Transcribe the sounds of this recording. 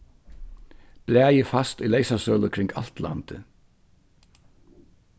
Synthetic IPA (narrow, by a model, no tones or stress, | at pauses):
b̥læːjɪfast̪uleɪsasœːlʊkʰɾɪŋka̰lt̪la̰nt̪ɪ